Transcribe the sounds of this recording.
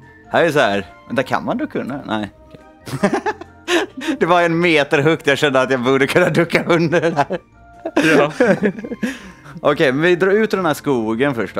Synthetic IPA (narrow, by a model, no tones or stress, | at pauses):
hæɾɛjəs̬ɔhæːɾmɛnd̪æɾkʰa̰nmand̪ukʰɵnːanʔɛ̰ɪɔkʰɛ | d̪ɛvaɾɛnmeːt̪əɾɦɵk̚t̪jaɕɛnd̪əat̪jɑbuːɖəkʰɵnːad̪ɵkːaɵnd̪əɖɖæːɾ | j | ʔɔkʰɛjmɛnvɪd̪ɾɑːɾʉ̟ːt̪̚d̪ɛnhæːʂkuːɡənfœʂʈɔ